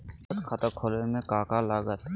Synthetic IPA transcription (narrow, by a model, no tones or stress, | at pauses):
t̪kʰət̪əkʰolemẽkaːkalaɡət̪